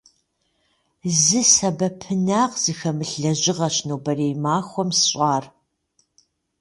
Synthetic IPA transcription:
zɨsɐbɐpʰɨnaːqz̥ɨxɐmɨɬɐʑɪʁɐɕnuːbɐreːjmaːxʷɔmsɨɕʷʼɑːr

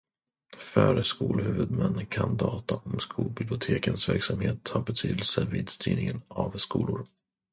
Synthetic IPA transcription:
fœɾəskuːlhʉ̟ːvɵd̪mɛnːkʰand̪ɑːt̪aʔɔmskʰuːlbɪblɪʊt̪ʰeːkənsvæɾksamheːt̪ʰːhaːɾbɛt̪ʰyːd̪əlsəviːd̪st̪ʰy̰ːnɪŋənavskuːlʊɾ

